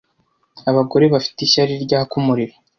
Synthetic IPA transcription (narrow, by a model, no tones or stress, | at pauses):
aβaɡo̞ɾe̞βafi̥tiɕaɾiɾɟaakumuɾiɾa